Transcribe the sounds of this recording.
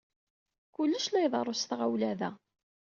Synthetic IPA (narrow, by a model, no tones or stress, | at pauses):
kʊlːəʃlæjðˤɑrˤosθʁawlæðæ